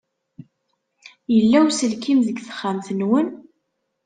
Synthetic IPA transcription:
jəlːæwsəlkimðəɡθə̥χːamθənwən

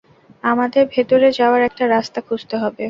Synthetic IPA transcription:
amad̪eɾbʱet̪oɾed͡ʑaoaɾɛk̚ʈaɾast̪akʰud͡ʑt̪eɦɔbe

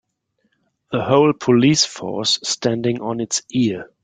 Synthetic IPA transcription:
ðəhoʊlpʰɔliːsfɔ̰ɹsːtʰæ̃ndɪ̃ŋɔ̃nɪtsɪ

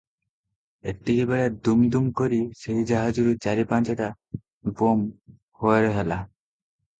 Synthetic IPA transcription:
ekʈːikibeɭed̪umd̪umkoɾiseɦid͡ʒaɦad͡ʒuɾut͡ʃaɾipant͡ʃeʈa | bom | hoeɾeɦela

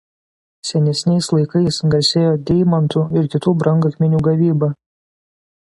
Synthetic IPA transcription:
sʲɛnʲɛsʲnʲɛɪslˠɐɪkɐɪsɡɐɾʲsʲeːjoːd̪ʲɛɪmɐnt̪uːɪɾkʲɪt̪uːbɾɐŋɡɐkʲmʲɪnʲuːɡɐʋʲiːbɐ

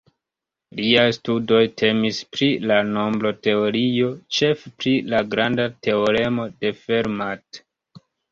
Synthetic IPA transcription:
liajstudo̞jtʰe̞mispɾilano̞mblote̞o̞ɾio̞t͡ʃe̞fpɾilaɡɾandate̞o̞ɾe̞mo̞de̞fe̞ɾmat

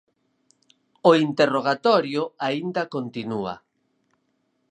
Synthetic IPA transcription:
oint̪eroɣ̞at̪ɔɾjʊaind̪akont̪inua̰

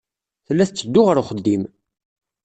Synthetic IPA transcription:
θəlːæθət͡sːəd̪ːʊʁəɾʊχəd̪ːim

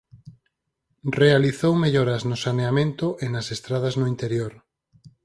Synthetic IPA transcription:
realiθowme̞ʎoɾaznosaneamẽnt̪oʔenasest̪ɾað̞aznoint̪e̞ɾjoɾ

